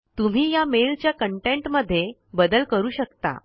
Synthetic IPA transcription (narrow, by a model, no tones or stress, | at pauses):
t̪um̤iːjamelt͡ɕjakəɳʈeɳʈməd̪ʱːje | bəd̪əlkəɾuːɕəkt̪a̰